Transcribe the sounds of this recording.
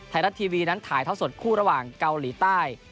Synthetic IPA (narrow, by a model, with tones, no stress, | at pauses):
t̪ʰa˧˥jɾa˦˥t̪ʰːiː˧wiː˧na˦˥nt̪ʰaː˩˦jt̪ʰa˥˩wso˨˩t̪̚kʰuː˥˩ɾa˧waː˨˩ŋka˧wliː˩˦t̪aː˥˩j